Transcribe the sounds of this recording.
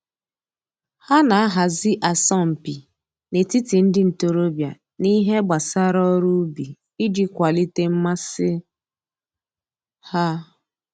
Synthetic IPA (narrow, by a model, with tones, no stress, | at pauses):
ha˦na˨a˦ɦa˨zɪ˦ʔa˨sɔ˦˨m̩˨pi˨ | ne˨ti˦ti˨n̩˦dɪ˦n̩˨to˨ɾo˦bja˨ | ni˦ɦe˦ɡ͡ba˨sa˦ɾɔ˦ɾu˦bi˨ | i˦d͡ʒi˦kʷa˨li˦te˦m̩˦ma˦sɪ˦ | ha˦